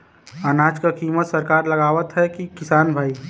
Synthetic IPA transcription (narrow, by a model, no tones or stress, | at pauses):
anaːd͡ʒkakimət̪səɾkaːɾləɡaːʋət̪ɦɛkikɪsaːnbʱaːi